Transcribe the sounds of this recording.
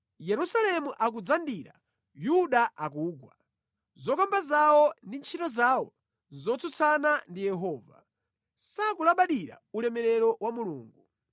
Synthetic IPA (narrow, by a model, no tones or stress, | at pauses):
jɛɾusalɛmuʔak̬ud͡zandiɾa̰ | juɗaak̬uːɡwa̰ | zɔkambazawɔndint͡ʃʰitɔzaːwɔ | zɔt͡sʰut͡sʰanandijɛɦɔːva̰ | sakulaɓaɗiɾa̰ulɛmɛɾɛɾɔwamuluːŋɡu